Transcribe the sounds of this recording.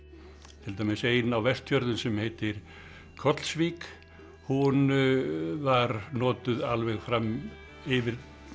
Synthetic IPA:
t̪ʰɪlt̪ajmɪseːjnawvɛr̥t̪çjœɾðʏnsɛmheːjt̪ɪɾ̥ | kʰɔt̪l̥svik | hun | vaɾnɔːt̪ʏðalvɛɣfɾam | ɪvɪɾ

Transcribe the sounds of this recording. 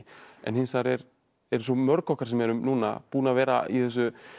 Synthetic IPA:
ɛ̰nhɪnsaɾɛɾ | ɛɾsɔmœɾkɔhkaɾ̥sɛmɛɾʏmnuːna̰puːnaːvɛːɾa̰ḭθɛs̬ːʏ

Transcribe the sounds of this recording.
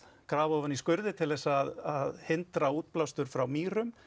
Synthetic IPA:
kɾaːvɔvaniskœɾðɪt̪ʰɪlðɛsːaːðaðhɪnt̪ɾauːt̪̚plawst̪ʏɾ̥fɾawmiːɾʏm

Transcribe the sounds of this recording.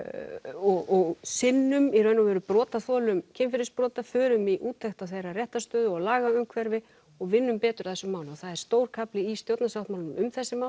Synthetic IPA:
ɔɣɔɣsɪnːʏmiɾœɥnavɛːɾʏpɾɔːt̪aθɔːlʏmcʰɛːmfɪɾɪspɾɔːt̪afœːɾʏmiʔuːt̪ʰejxt̪awθejrarjɛht̪ast̪œːðʏɔɣlaːɣaʏmkʰvɛɾvɪ | ɔɣvɪnːʏmpɛːt̪ʏɾaθɛsːʏmaːwnɔθaðɛɾ̥st̪oːwɾkʰaplɪist̪jowt̪nasawht̪mawlʏmʏmθɛsːɪmaːw̪

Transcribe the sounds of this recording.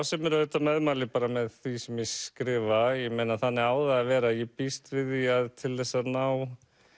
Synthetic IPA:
wsɛmɛɾœɥt̪amɛðmaːlɪpaːɾamɛðθisɛmjɛskɾɪːvajɛmejnaθanːɪɣaːwðaavɛːɾajɛpist̪vɪðiaðt̪ʰɪlðɛsːanaːw

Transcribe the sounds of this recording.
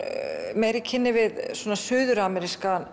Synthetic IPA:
mɛɾicʰɪnːɪvɪðswɔːnasʏːðʏɾamɛɾiskan

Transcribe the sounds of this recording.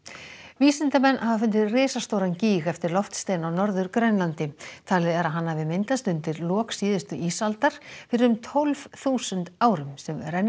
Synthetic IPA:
viːsɪnt̪amɛnːhavafʏnt̪̬ɪɾrɪːsast̪owɾanciːɣɛft̪ɪɾlɔft̪st̪eːjnawnɔɾðʏɾkɾœɥnlant̪ɪt̪ʰaːlɪðɛɾaðɦanːavɪmɪnt̪ast̪ʏnt̪ɪɾlɔːksiːðʏst̪ʏʔiːsalt̪aɾ̥fɪɾɪɾʏmt̪ʰɔlvθuːsʏnt̪aːwɾʏmsɛmɾɛnː

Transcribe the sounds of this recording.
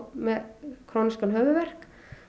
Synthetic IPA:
mɛðkʰɾoːniskanɦœːvʏvɛr̥k

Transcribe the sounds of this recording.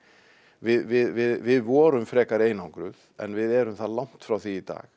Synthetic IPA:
vɪðvɪðvɪðvɪðvɔːɾʏmfɾɛːkaɾeːjnawŋkɾʏðɛ̰nvɪðɛɾʏmθaðlawŋ̥t̪fɾawθiːt̪a̰ːx

